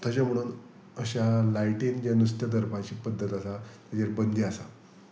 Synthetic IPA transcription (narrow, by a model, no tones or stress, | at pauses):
t̪at͡ɕam̤əɽ̃uːn | əɕalajʈind͡ʑjanust̪jəd̪əɾpãt͡ɕiːpəd̪ʱːət̪əsat̪ad͡ʑaɾbənd̪ʱiasa̰